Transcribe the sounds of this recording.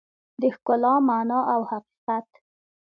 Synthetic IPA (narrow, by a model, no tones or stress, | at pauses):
d̪əxkʊlɑmanɑʔawhaqi̥qat̪